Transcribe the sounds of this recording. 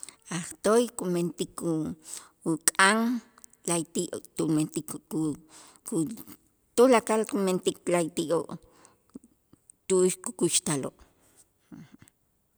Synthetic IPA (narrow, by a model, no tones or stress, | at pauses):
aχt̪ojkument̪iku | ukʼaŋ | lajt̪iʔot̪ument̪iku | ku | t̪ulakalkument̪iklajt̪iʔoʔ | t̪uʃkukuʃt̪aloʔ